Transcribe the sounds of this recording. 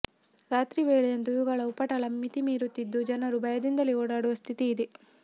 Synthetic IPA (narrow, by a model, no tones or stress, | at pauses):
ɾaːt̪ɾiʋeːɭɛjɐnd̪uiʋuɡɐɭɐupːɐʈɐɭɐmːit̪imiːɾut̪ːid̪ːud͡ʒɐnɐɾubɐjɐd̪ind̪ɐlːioːɽaːɽuʋɐst̪ʰit̪iːd̪e